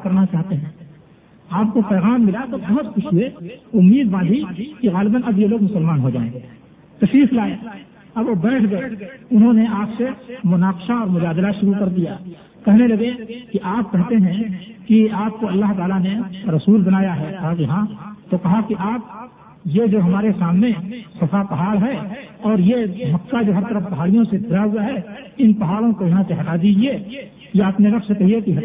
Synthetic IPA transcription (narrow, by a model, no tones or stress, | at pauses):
kɐɾnat͡ʃaːɦt̪eɦɛ̃ː | aːp̚kopɛːɣaːmːɪlat̪obɐɦʊt̪xʊʃɦʊeʊmːiːd̪ʋãːd̪ikiɣaːlɪbənɐbjeloːɡmʊsəlmaːnɦod͡ʒaːẽŋɡe | t̪ɐʃɾiːflaːe | ɐboːbɛːʈʰɡɐeʊnɦõneaːpsemʊnaːqɪʃaɔːɾmʊd͡ʒaːd̪laʃʊɾukɐɾd̪ija | kɛɦnelɐɡekiʔaːp̚kɛɦt̪eɦɛ̃ | kiaːp̚koɐlːaɦt̪aːlaneɾɐsuːlbɐnaːjaɦɛk̪akjɐɦãt̪okɐɦakiʔaːp̚ | jed͡ʒoːɦɐmaːɾesaːmnesɐfʰapɐɦaːlɦɛɔːɾjemɐkkad͡ʒoːɦɐɾt̪əɾəfpɐɦaːɽijõsed̪ʱɪɾaɦʊaɦɛɪnpɐɦaːɭõkojɐɦãseɦɐtad̪id͡ʒie | jeːpneɾɐksekɐɦiekiɦ